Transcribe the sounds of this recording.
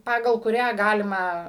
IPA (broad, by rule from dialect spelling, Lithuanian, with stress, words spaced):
ˈpɑːɡɐlˠ kʊˈrʲæː ˈɡɑːlʲɪmɐ